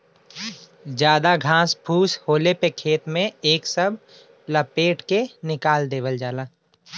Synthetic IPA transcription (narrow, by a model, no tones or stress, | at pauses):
d͡ʒjaːd̪aɡʱãːspʰuːshoːlepekʰeːt̪mẽeːksəbʱ | ləpeːʈkenɪkaːld̪eːʋəld͡ʒaːlaː